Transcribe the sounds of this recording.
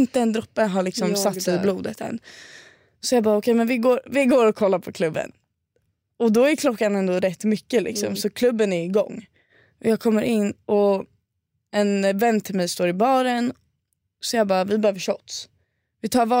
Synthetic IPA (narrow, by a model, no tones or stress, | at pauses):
nt̪əɛnd̪ɾɔpːəɦaɭɪksɔmsat̪sɛjɪbluːd̪ət̪ʰɛ̰nː | sɔjɑːbɑːɔkʰejmɛnvɪɡoːɾvɪɡoːɾɔkʰɔlːapʰɔkʰlɵbːə̰n | ɔd̪ɔæɾkʰlɔkːanɛnd̪ɔɾɛt̪ːmʏkːəlʔɪ̰ksɔ̰msɔkʰlɵbːənæɾɪɡɔ̰ŋː | ɔjɑːɡ̚kʰɔmːəɾʔɪnːɔ | ɛnvɛnːt̪ʰɪlmɛjst̪oːɾɪbɑːɾən | sɔjɑːɡbɑːvɪbɛhøːvəʂɔt̪s | vɪt̪ʰɑːɾvɑ